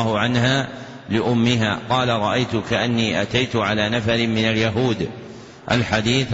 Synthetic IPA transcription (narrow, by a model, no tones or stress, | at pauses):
hʊʕanhaː | lɪʔʊmːɪɦaːqɑːlaɾˤɑʔajt̪ʊkaʔanːiːʔat̪ajt̪ʊʕalaːnafaɾɪmɪnaljaɦuːd̪ | ʔa̰lħad̪iːθ